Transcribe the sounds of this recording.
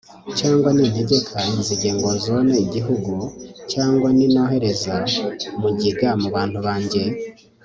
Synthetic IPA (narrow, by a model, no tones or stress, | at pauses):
caːŋɡwaniːn̥he̞ɟe̞kʰaiziɟe̞ːŋɡo̞zo̞neiɟiɦuɡucaːŋɡwanino̞ːɦe̞ɾe̞zaumuɟiɡamuβaːn̥huβaːɲɟe̞